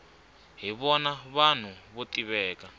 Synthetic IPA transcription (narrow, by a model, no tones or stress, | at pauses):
ɦiβɔnaβan̤uβotiβɛːka